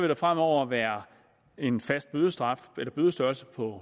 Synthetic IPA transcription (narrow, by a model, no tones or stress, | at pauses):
ʋeɾ̥ɑ̈fʁam̰ɒʊ̰ɐʋæːɐ | e̝nfæsd̥̚b̥øð̞ˠəsd̥ʁɑ̈felɐb̥øðˠəsd̥ɶɐlsəpʰɒ̽